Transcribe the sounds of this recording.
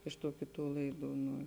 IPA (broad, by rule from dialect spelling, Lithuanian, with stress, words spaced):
ɪʃ tuː ˈkʲɪˌtuː ˈlˠɐɪˌduː nʊ